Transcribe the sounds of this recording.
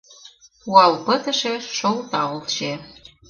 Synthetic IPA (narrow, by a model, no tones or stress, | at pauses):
uɑlpə̆t̪ə̆ʃĕʃolt̪ɑolʃe